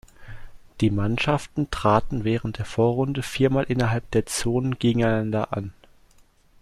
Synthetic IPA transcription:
d̥iːmanʃaftn̩tʁ̥aːtn̩vɛːʁ̞ən̩t̚d̥eːɐfoːɐʁʊndəfiːɐmaːlʔɪnɐɦalp̚d̥eːɐt͡soːnənɡ̥eːɡŋ̩aɪnandɐ̰ʔan

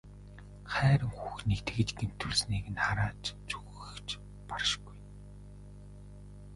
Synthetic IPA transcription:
χæːɾə̆ŋxuxnekt̪ɘ̆ɡɘ̆t͡ɕɡem̥t̪ʰːɵɮsniːkɘ̆naɾaːt͡ɕt͡suɣ | ɘ̆xt͡ɕ | parʃɡuj

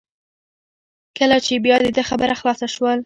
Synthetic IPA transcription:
kəlat͡ʃebjɑd̪əd̪əxabəɾaxlɑsaʃwəl

